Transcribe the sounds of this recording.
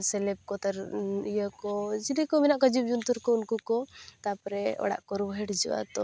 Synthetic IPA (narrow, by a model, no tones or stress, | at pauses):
sɛlɛb̚kɔt̪aɾijəkɔd͡ʒilikɔminaʔkɔd͡ʒubd͡ʒunt̪uɾkɔunkukɔt̪apɔɾɛɔ̰ɽa̰ʔkɔɾubɦeɽd͡ʒɔa̰t̪ɔ